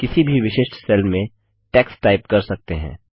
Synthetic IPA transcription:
kɪsibʱiʋɪʃɪʃʈsɛlmẽ | ʈɛːksʈaːɪpkɐɾsɐk̚t̪eɦɛ̰̃ː

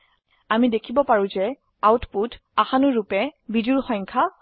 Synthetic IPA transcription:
amidekʰibɔpaɹũzɛ | awtputaxanʊɹupɛbiduɹxɔj̃ŋkʰa

